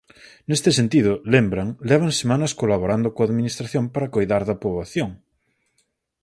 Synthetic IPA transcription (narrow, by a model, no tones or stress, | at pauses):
nest̪esent̪iðʊlembɾɐŋlɛβ̞ɐŋsemanɐskolaβoɾand̪ʊkoaðminist̪ɾaθjompaɾɐkojðaɾðɐpoβaθjoŋ